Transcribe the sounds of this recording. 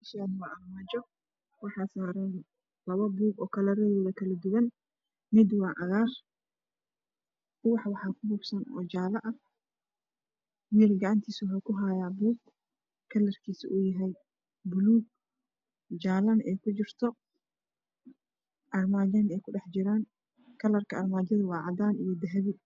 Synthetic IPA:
sad̪wɑʔɐrmad͡ʒɔ | wɑħɑːsaːɾɐn | lɐβɐbuːɡɔːkʰɐlɐrɛɣɔːðɐkʰɐlɐd̪ʊwɐn | mɪd̪wɑːʕɑɣaːr | ʊwɑħwɑħɑːkʰʊbuːbsɐnɔ̰ːd͡ʒaːlɐʔɐ | wiːlɡɑʕɑnt̪ʰiːswħakʰʊɦaːjaːbuːɡ | kʰːɐlɐrkʰiːsɪʔujɐɦɛj | bʊluːɡ̚ | d͡ʒaːlɐnʔɛːjkʰʊt͡ʃɪrt̪ʰɔ | ʔɐrmaːd͡ʒɐnɛːjkʰʊɖɛħt͡ʃɪɾaːn | kʰɐlɐrkʰɐɐrmaːd͡ʒɐðʊwɑːʕɑd̪aːnḭjɔd̪ɐɦɛβɪ

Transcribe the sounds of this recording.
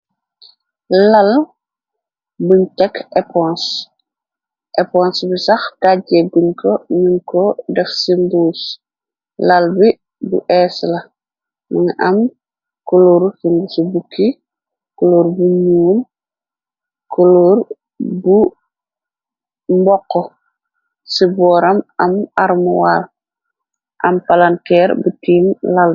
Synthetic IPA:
lal | buɲtɛkʰɛpɔns | ʔɛpɔnsbisɐxdaɟɛɡuɲkʰɔniŋkɔdɛxsimbuːs | lɐlbi | bṵʔɛːslɐ | maŋʔɐm | koloɾfiŋɡusubukʰːi | koloːɾbuɲuːl | koloɾ | bu | mbɔkːɔ | sibɔɾɐmɐmaɾmuwal | ʔɐmpalantɛɾbutiːmlal

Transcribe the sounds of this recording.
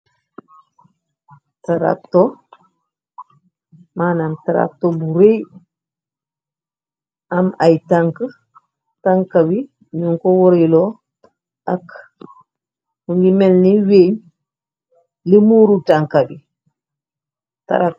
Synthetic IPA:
taɾa̰k̚to | maːnamtaɾa̰k̚tobuɾej | amajtaŋkə | taŋkabi | ɲuŋkowɔɾilo | ak | huŋɡimelniweːɲ | limuɾutaŋkabi | ta̰ɾa

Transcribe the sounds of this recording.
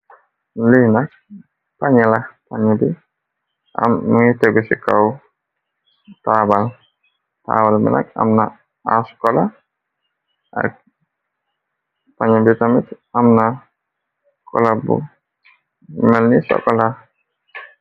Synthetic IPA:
lihnak̚ | paɲalahpaɲabi | a̰mit̪eɡusikaw | t̪abal | t̪a̰βalmɛ̰nʔa̰k̚a̰mna | askola | a̰ | paɲabit̪amit̪ | amna | kʰɔ̰labṵ | mɛlnisɔ̰kɔla

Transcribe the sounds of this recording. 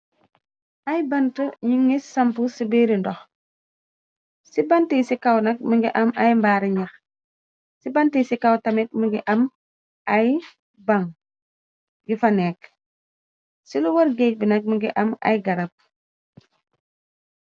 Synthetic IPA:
ʔajbɐntəɲiŋisɐmpusibeːɾindɔx | sibɐntisikawnɐk̚məŋɡiʔɐmajmbaɾiɲɐx | sibantisikawtɐmit̚məŋɡiʔɐm | ʔaj | baŋ | ɡifɐnɛːk̚ | siluwɐɾɡeːc̚binɐk̚məŋɡiʔɐma̰jɡɐɾɐp̚

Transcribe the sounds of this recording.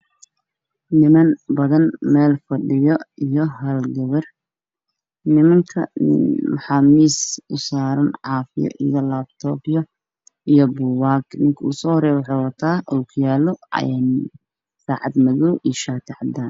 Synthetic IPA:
nɪmɐnbɐðɐnmɛːlfɐɖɪjɔijɔɦɐlɡɐβɐr | nɪmɐŋkʰɐ̰mɑħɑːmiːsʊsaːɾɐnʕɑːfɪ̰jɔ̰ʔijɔlaːb̚t̪ʰɔːbɪjɔ | ijɔbʊwaːɡnɪŋkʰɐuːsɔːhɾɛjwɑħɑwɐt̪ʰaːʔɔlkʰʊjaːlɔ̰ɛn | saːʕɑd̪mɐɣɔwʔijʃaːt̪ʰɪʕɑd̪aːn

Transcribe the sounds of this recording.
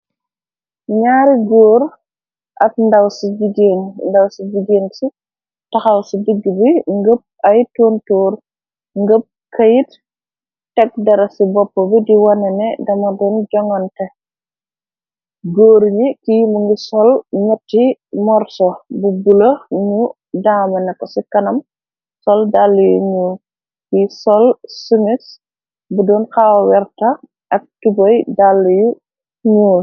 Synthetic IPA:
ɲaːɾiɡoːɾ | ʔɐt̚ndɐwsid͡ʒiɡenndɐwsid͡ʒiɡeːnsi | tɐxɐlsidiɡːibiŋɡəp̚ɐjtoːntoːɾ | ŋɡəp̚kɐjit | tɛk̚dɐɾɐsibɔpːɔbidiwɐnɛnɛdɐmɐdɔnd͡ʒɔŋɔntɛ | ɡoːɾɲikijmuŋɡisɔlɲɐtːimɔɾsɔbubulɐɲu | daːmɐnɐkːɔsikɐnɐm | sɔldalːujuɲuːl | kisɔlsumis | budɔːnxaːwwɛrtɐ | ʔɐk̚tubɔjdalːuju | ɲuːl

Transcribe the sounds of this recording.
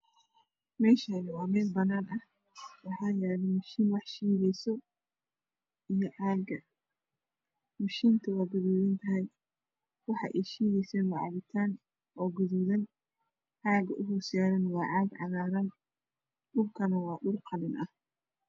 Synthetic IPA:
mɛːʃɐnɪwɑːmɛːlbɐnaːnʔɐh | wɑħɑːjɛːlɛmʊʃiːnwɑħʃiːɣɛjsɔ | ijɔʕaːɡɐ | mʊʃiːnt̪ʰɐwɑːɡʊðuːðɐnt̪ʰɐɦɛj | wɑħɑ̰ʔɛjʃiːɣɛjsɛːnwɑʕɑ̰βɪt̪ʰaːn | ʔɔːɡʊðuːðɐn | ʕaːɡɐʔʊɦuːsjaːɾɐnwɑːʕɑːɡʕɑ̰ɣaːɾɐn | ɗʊlkʰɐnɐwɑːɗʊrqʰɑlɪnʔɐh

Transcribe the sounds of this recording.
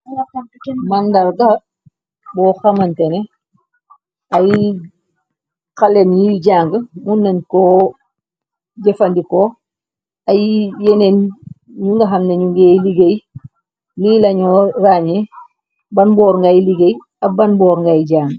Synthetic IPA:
mɐndɐɾɡɐ | bɔːxɐmɐntɛne | ɐj | kalenjiɟaːŋɡəmunːɐnkɔː | ɟɛfɐndiko | ɐjjɛnen | ɲuŋɡɐɦɐmneɲuŋɡejliɡej | liːlɐɲɔraɲe | bɐnbɔːɾŋɡajliɡej | ɐbɐnbɔːɾŋɡajɟaːŋɡə

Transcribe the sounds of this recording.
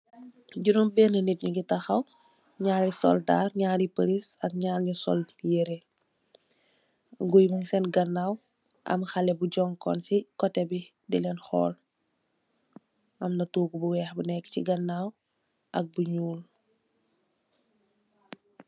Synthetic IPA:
ɟunumbɛːnənit̚ɲuɡitɐxɐw | ɲaːɾisɔ̰lda̰ːrɲaːɾipəɾisɐk̚ɲaːɾɲusɔ̰ljeɾe | ŋɡujmuŋsɛnɡɐnːaːw | ʔɐ̰mxɐlɛbuɟɔŋkɔ̰nsikɔtːɛbi | dilɛnxɔ̰ːl | ʔɐmnɐtuːɡubuwɛxbunɛkːə̥ciɡɐnːaːw | ʔɐk̚buɲuːl

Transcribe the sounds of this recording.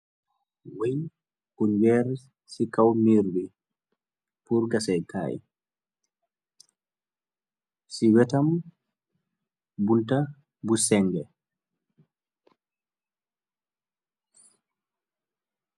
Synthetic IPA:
wɛj | kuɲd͡ʒɛɾ | sikawmiɾwi | puɾɡasɛjka̰ːʔḭ | siwɛtam | bunta | busɛŋɡɛ

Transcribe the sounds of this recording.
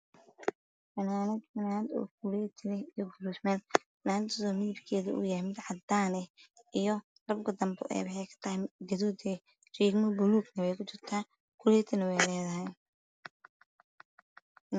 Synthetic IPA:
fɐnaːnɐd̪fɐnaːnɐd̪ɔ̰ːkʰulɛːt̪ʰɪlɛijɔɡʊlusmɛn | naːnt̪ɔðɔːmiɪbkʰɛːðɐʔṵjaɛmɪd̪ʕɑd̪aːnɛ | ʔijɔ | rɐbɡʰɐd̪ɐmbɔ̰ʔɛ̰ːwɐħɛjkʰɐ̥t̪ʰɐhɛɡɐðuːd̪ɛː | t͡ʃiːɡmɔbʊluːɡnɐwɛjkʰʊt͡ʃɪrt̪ʰaː | kʰʊlɛːt̪ʰɪnɐwɛjlɛːðɐɦɛj

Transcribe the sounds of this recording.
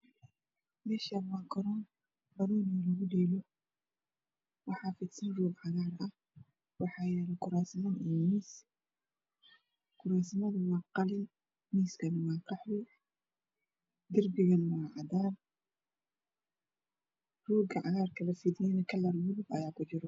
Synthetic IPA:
mɛːʃɐmakʰɔɾɔn | bɐɾuːnilɐɣʊdɛːlɔ | wɑħɑːfɪt̪sɐnruːɡʕɑɣaːɾʔɐh | wɑħɑːjɛːlɐkʊɾaːsmɐnʔijmiːs | kʊɾaːsmɐðwɑːqɑlɪn | miːskʰɐnwɑːqɑħwɪ | d̪ɪrbɪɣɐnwaːʕɑd̪aːr | ruːɡɐʕɑɣaːrkʰɐlɐfɪd̪jɛːnɐkʰɐlɐlwʊlʊbɐjaːkʊd͡ʒɪɾɔ

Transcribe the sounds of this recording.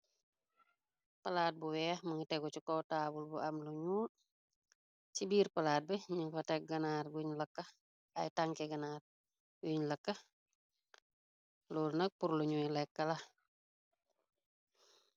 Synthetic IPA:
pɐlaːt̚buwɛɐxmɐŋtɛɡɔt͡ʃikɔtaːbulbuʔɐmluɲuː | t͡ʃibiːɾpɐlaːt̚bɛɲiŋfɐtɛk̚ɡɐnaːrɡuɲlɐkːɐ | ɐjtaŋkɛɡɐnaːr | ɡuɲlɐkːɐ | lɔːlnɐk̚puɾluɲuilɛkːɐlɐ

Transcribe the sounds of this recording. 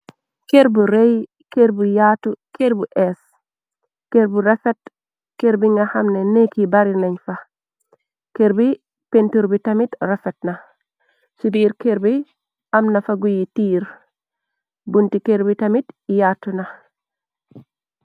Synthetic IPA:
keɾbuɾej | keɾbujatukeɾbuʔes | keɾbuɾefet̚ | keɾbiŋɡahamnenekibaɾileɲfa | keɾbi | pentuɾbitamitɾefet̚na | ʃibiːɾkeɾbi | amnafaɡujitiːɾ | buntikeɾbitamitjatːuna

